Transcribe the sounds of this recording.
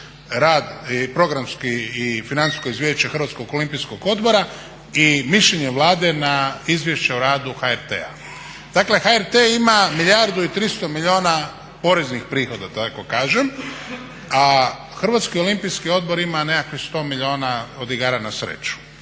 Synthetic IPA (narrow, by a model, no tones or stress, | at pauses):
ɾaːd̪ipɾo̞ɡɾamskiːfinani̥sko̞izʋjeʃt͡ɕexɾ̩ʋat̪sko̞ɡo̞limpijsko̞ɡo̞d̪bo̞ɾa | imiʃʎeɲeʋlˠaːd̪enaizʋje̞ʃt͡ɕe̞uɾaːd̪uxaeɾt̪ḛa̰ | d̪̥akle̞xaeɾt̪eimamiʎaɾd̪uit̪ɾist̪o̞miʎio̞ːna | po̞ɾeznixpɾiːxo̞d̪at̪ako̞kaːʒem | a | xɾr̩ʋat̪skio̞limpijskio̞d̪̚bo̞ɾimanekakʋixst̪o̞ːmiʎio̞ːnaod̪iɡaːɾanasɾḛt͡ɕu̥